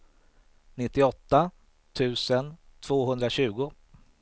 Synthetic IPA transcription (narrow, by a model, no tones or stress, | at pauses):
nɪt̪ːɪɔt̪ːa | t̪ʰʉ̟ːsənt̪ʰv̥oːɦɵnd̪ɾaɕʉ̟ːɡʊ